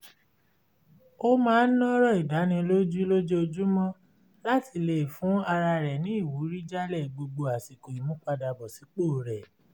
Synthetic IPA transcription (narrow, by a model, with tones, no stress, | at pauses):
o˦mãː˦n̩˦nɔ̃˦ɾɔ˦˨i˨da˨˦nĩ˧lo˦d͡ʒu˦lo˦d͡ʒe˦o˧d͡ʒu˦mɔ̃˦ | la˦˨ti˧˨le˨fũ˨˦a˧ɾa˧ɾɛ˨nĩ˦i˦˨wu˨˦ɾi˦d͡ʒa˦lɛ˦˨ɡ͡bo˧ɡ͡bo˧a˨ti˨ko˨i˨˦mũ˦k͡pa˧da˧bɔ˨si˨˦k͡poː˦˨ɾɛ˨